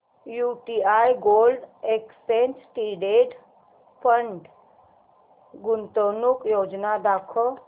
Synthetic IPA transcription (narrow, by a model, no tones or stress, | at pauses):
juʈiajɡoːlɖekspensʈiɖeʈ | pəɳɖ | ɡunt̪onukjoːd͡ʒnad̪akʰɔ